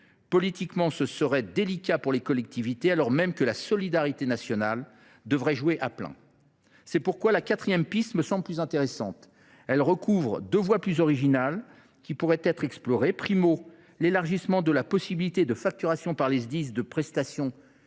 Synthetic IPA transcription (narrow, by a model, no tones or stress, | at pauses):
pɔlit̪ikmɑ̃səsəʁɛd̪elikʲapuʁlekɔlɛk̚t̪ivit̪ealɔʁmɛmkəlasɔlid̪aʁit̪enasjɔnal | d̪əvʁɛʒuweʔaplɛ̰̃ | sɛpuʁkwalakʲat̪χijɛmpist̪məsɑ̃bləplyzɛ̃t̪eʁesɑ̰̃t̪ | ɛlʁəkʰuvʁd̪øvwaplyzɔʁiʒinal | kʲipuʁɛt̪ɛt̪χɛksplɔʁepχimo | lelaʁʒismɑ̃d̪əlapɔsibilit̪ed̪əfak̚t̪yʁasjɔ̃paʁlezd̪is̬d̪əpχɛst̪asjɔ̃